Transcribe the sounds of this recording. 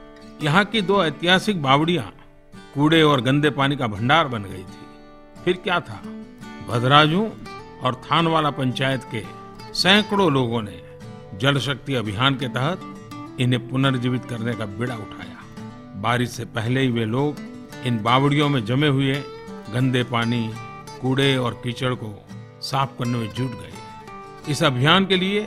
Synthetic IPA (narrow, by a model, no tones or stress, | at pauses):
jɐɦãkid̪oːeːt̪ɪɦaːsɪk̚baːbɽijã̰ | kuːɽeɔːɾɡə̃nd̪epaːnikabʱə̃ɳɖaːɾbɐnɡɐḭt̪ʰi̥ | pʰɪɾkjaːt̪ʰa̰bɐd̪ɾaːd͡ʒõɔːɾt̪ʰaːnʋaːlapɐ̃ɲt͡ʃaːjət̪ke | sɛ̃ːkɽoloːɡõnḛ | d͡ʒɐlʃək̚t̪iɐbʱɪjɦaːnket̪ɛɦət̪̚ | ɪnɦepʊnəɾd͡ʒiʋɪt̪kɐɾnekabɪɽaʊʈʰa̰ːja̰ː | baːɾɪt̪sepɛɦleɦiʋeloːɡ | ɪnbaːwɽijõmẽd͡ʒɐmeɦʊe | ɡə̃nd̪epaːni | kuːɽeɔːɾkit͡ʃəɽko | saːp̚ʰkɐɾnemẽd͡ʒuːʈɡɐḛ | ɪsɐbʱijaːnkelie